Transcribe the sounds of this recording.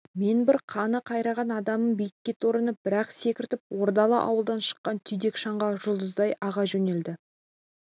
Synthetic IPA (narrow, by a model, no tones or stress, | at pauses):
me̞nbɪɾqʰɑnəqʰɑjɾɑʁɑnɑd̪ɑməmbijɪkʲːe̞t̪o̞ɾənəp̚b̥ɪɾɑqse̞kʲɪɾt̪ɪp̚wo̞ɾd̪ɑlˠə̰ʔɑ̰wəlˠd̪ɑnʃə̥qːɑnt̪ʰʏjd̪e̞kʃɑɴʁɑʒʊlˠd̪əzd̪ɑjɑʁɑʒɵne̞ld̪ɪ